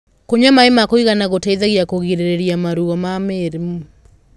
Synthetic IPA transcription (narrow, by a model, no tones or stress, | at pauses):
koɲamaemakoiɣanaɣotɛiðaɣjakoɣiɾeɾeɾjamaɾuɔmameɾemu